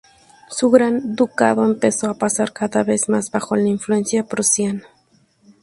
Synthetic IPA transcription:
suɣɾand̪uka̰ðo̞empesoapasaɾkaðaβezmazbaxolaiɱflue̞nsjapɾusjana

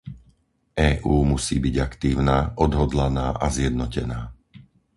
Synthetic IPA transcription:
ʔɛːʔuːmusiːbiɟakt̪iːʊnaːʔɔd̪ɦɔd̪lanaːʔazjɛd̪̚nɔcɛnaː

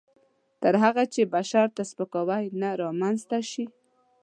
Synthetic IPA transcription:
t̪əɾɦaɣat͡ʃebaʃɑɾt̪aspəkawajnaɾɑmanzt̪aʃi

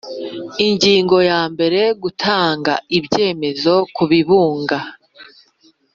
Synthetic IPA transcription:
iɲɟiːŋɡo̞jaːmbe̞ɾe̞ɡutʰaːŋɡa̰ibje̞ːme̞zo̞kuβiβuːŋɡa

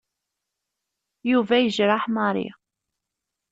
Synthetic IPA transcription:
juvæjəʒɾˤaħmɑɾˤḭ

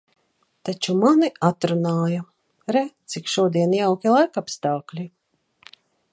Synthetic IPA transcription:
t̪at͡ʃumaniat̪ɾunaːja | ɾɛt̪sikʃuɔd̪iɛnjawkʲilˠajkapst̪aːklʲi

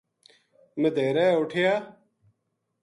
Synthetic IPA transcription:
med̪ʱeːɾɛːʊʈʰɪjaː

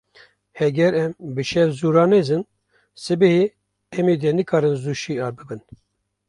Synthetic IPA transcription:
hɛɡɛɾɛmbɨʃɛɾzuːɾɑːnezɨn | sɨbɛhe | ɛmid̪ɛnɨkʰɑːɾɨnzuːʃiːɑːɾbɨbɨn

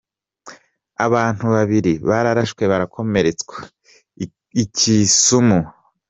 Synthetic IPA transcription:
aβaːn̥huβaβiɾiβaɾaɾaʃkwe̞βaɾakʰo̞me̞ɾe̞t͡skwa | icisumu

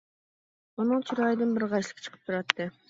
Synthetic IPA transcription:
unɨŋt͡ʃʰuɾɑːjd̪ɨnbɪɾʁɑjʃlˠə̥kʰt͡ʃʰə̥qʰə̥p̚t̪ʰuɾɑt̪ːɨ

